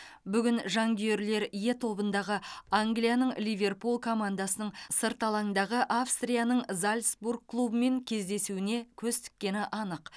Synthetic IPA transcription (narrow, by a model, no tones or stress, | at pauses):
bʏɡʲɪnʒɑŋɡʲje̞ɾle̞ɾje̞t̪ʰo̞bənd̪ɑʁəaŋɡlijanəɴlʲijvʲe̞rpulˠkʰo̞mand̪asənəɴsəɾt̪ɑlˠɑŋd̪ɑʁəʔafst̪ɾijanəɴzalʲsburɡ̚kʰːlˠubəme̞ŋkʲʰe̞zd̪e̞suwɪne̞kʲʰɵzt̪ɪ̥k̚ʲːe̞nɪʔɑnəq